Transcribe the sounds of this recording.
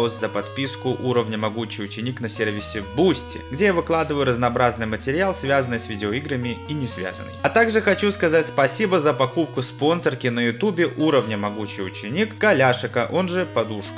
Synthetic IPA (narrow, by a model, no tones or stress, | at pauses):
oszəpɐt̪pʲiskʊʔuɾəvnʲəmɐɡut͡ɕɪjʊt͡ɕɪnʲiknɐsʲervʲɪsʲɪvbusʲtʲɪ̰ɡdʲe̞javɨklˠad̪ɨvəjʊɾəznɐːbɾaznɨjmətʲɪɾʲɪalˠsvʲazənɨjsvʲɪdʲɪoiɡɾəmʲɪinʲɪsvʲa̰zə̰nːə̰jɐt̪aɡʐɨxɐt͡ɕuskɐzatʲspɐsʲibəzəpɐkup̚kʊspo̞nsərkʲɪnəjʊt̪ubʲɪʔuɾəvnʲəmɐɡut͡ɕɪjʊt͡ɕɪnʲikɡɐlʲaʂɨkəʔo̞nʐɨpɐd̪uʂk